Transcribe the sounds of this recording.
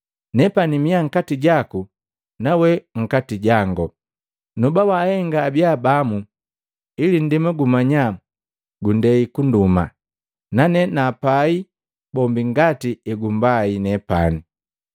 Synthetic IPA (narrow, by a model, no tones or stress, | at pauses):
nɛpanimiaŋ̩katiɟaku | nawɛŋ̩katiɟaŋɡɔ | nubawahɛŋɡaːbjabamu | ilin̩dimɛɡumaɲa | ɡundɛikunduma̰ | nanɛnaːpai | bɔmbiŋɡatiɛɡumbainɛpa̰ni